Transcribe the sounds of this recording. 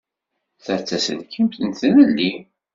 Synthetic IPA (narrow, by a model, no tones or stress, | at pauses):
θəɾt͡sːæsə̰nkʰimθənθənəlːi